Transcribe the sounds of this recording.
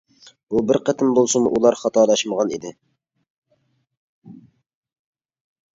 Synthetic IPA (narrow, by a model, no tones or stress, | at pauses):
b̥ubɪɾqət̪ʰɪmbolˠsɨmuʔulˠɑɾχɑt̪ʰɑːlˠɑʃməʁɑnḭd̪ɪ